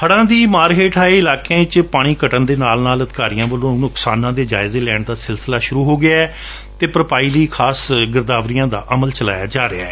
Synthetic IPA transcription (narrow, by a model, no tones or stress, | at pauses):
hʰəɽãːd̪iːmaːɾɦeːʈʰaːeɪlaːkãːɪt͡ʃpaːɽ̃iːkəʈənd̪eːnaːlnaːləd̪kaːɾijãːʋəlõːnʊksaːnãːd̪eːd͡ʒa̰ːɪzeːlɛːɳd̪aːsɪlsəlaːʃʊɾuːɦoːɡɪaːɛ | t̪eːpɾəpaːiːliːkʰaːsɡəɾd̪aːʋɾijãːd̪a̰ːʔəməlt͡ʃəla̰ːja̰ːd͡ʒaːɾea̰ːɛː